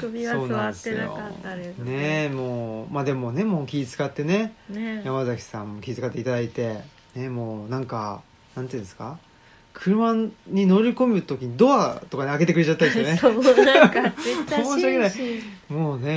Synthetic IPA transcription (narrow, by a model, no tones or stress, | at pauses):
so̞ːnãnd̪esɨjo̰ne̞mo̞ːmaːd̪e̞mo̞ne̞mo̞ːkʲiːt͡sɨ̥kat̪ːe̞ne̞jamazakʲi̥sãmmːo̞kʲiizɨ̥kat̪ːeit̪ad̪ait̪e̞ | ne̞moːnãŋka | nãnt̪ɨɯ̟̃nsɨ̥ka | kʰɯ̟ɾɯ̟maɲ̟ːino̞ɾʲiko̞mɯ̟t̪o̞kʲiɲ̟id̪o̞βat̪o̞kaneaɡe̞t̪e̞kɯɾe̞t͡ɕat̪ːand̪esjone | ɕaɡenaimoːne̞